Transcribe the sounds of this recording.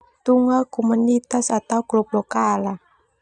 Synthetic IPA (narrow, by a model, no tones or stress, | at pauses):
t̪uŋakumunit̪asat̪awɡlɔplɔkala